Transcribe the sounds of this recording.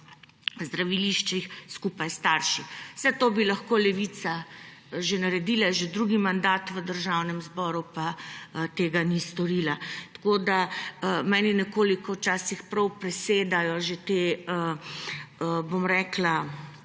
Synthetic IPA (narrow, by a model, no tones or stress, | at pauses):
zd̪ɾaʋiliʃt͡ʃʋixskupajst̪aːɾʃiw̥sɛt̪oːbilɐxkoːlɛʋit̪sa | ʒenaɾɛd̪iːlaʒed̪ɾuɡimand̪aːt̪ʋəd̪əɾʒawnɛmzbɔːɾupat̪eːɡanist̪ɔɾiːlat̪kod̪amɛːninɛkoːlikɔwt͡ʃaːsixpɾɐwpɾɛseːd̪ajɔʒet̪eːə | bomɾɛːkla